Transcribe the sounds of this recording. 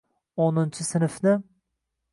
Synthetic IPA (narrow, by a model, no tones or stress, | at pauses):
onʊnt͡ʃʰʊsɪnfnɪ